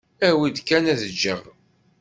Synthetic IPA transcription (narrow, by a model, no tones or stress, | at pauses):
æwid̪kːænæðəd͡ʒːə̰ʁ